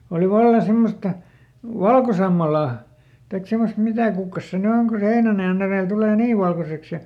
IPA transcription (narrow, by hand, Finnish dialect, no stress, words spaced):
oli ʋɑlːɑ semːostɑ ʋɑlkosɑmːɑlɑˑ tɑik semost mitæˑ kukːɑs se ny oŋ ku se heinænɑjɑn ereˑl tuleˑ niː ʋɑlkoseks jɑ